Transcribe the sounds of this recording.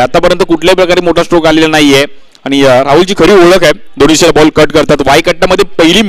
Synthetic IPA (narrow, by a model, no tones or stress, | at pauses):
at̪apəɾjənt̪əkuʈʰljapɾəkaɾemoʈʰasʈɾokalelanaɦije | aɽ̃iɾaɦult͡ɕiːkʰəɾiːoɭəkae | d̪oniɕelabɔlkəɾʈkəɾt̪at̪ʋajkəʈljaməd̪ʱːjepəɦiliːm